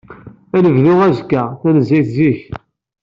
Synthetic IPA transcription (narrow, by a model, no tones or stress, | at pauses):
ænəvðʊʁæzkːæθænəzːiθziç